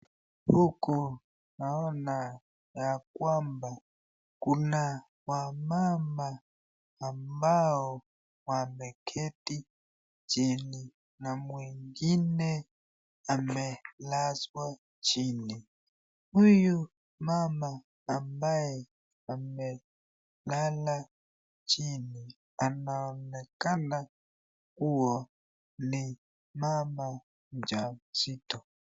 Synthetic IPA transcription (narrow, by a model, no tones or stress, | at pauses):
pukɔ | naɔna | jakwamba | kuna | wamamaː | mbaɔ | wamɛkʰɛti | t͡ʃini | namwɛŋɡinɛ | amɛlazwa | t͡ʃʰini | muju | mamaː | mbajɛ | amɛ | lala | t͡ʃʰini | anaɔnɛkana | kuwɔ | ni | mama | nd͡ʒasiːtɔ